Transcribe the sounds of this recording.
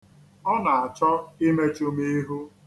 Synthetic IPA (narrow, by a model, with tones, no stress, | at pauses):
ɔ˦na˨a˨t͡ʃɔ˦ɪ˦me˦t͡ʃʊ˦me˦e˦ɦu˦